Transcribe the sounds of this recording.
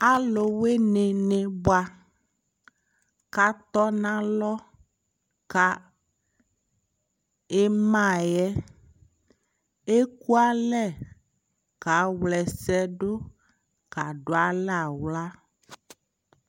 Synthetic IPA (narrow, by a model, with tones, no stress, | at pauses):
a˦lo˨we˦nẽ˨nẽ˨bo˦a˦ | ka˦t̪ɔ˦nã˦lɔ˦ | ka˦ | e˦mã˦˨jɛ˦ | e˦ku˦a˦lɛ˦˨ | ka˨˦wlɛ˨sɛ˦ɖo˦ | ka˨ɖo˨˦a˨la˨wla˦